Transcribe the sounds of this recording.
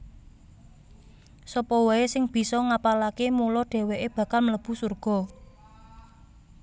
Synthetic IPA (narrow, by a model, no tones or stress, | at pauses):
sɔpɔwaesɪŋb̥i̤sɔŋapalakemulɔɖ̥e̤weʔeb̥ä̤kalmələb̥ṳsurɡ̥ɔ̤